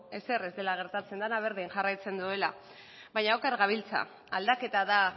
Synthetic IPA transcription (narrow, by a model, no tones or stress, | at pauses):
e̞se̞re̞zd̪e̞laɣ̞e̞ɾt̪at͡se̞nd̪anaβ̞e̞ɾðiŋʝarajt͡se̞nd̪ue̞la | βajɲaokaɾɣaβilt͡sa̰ | ald̪ake̞t̪aða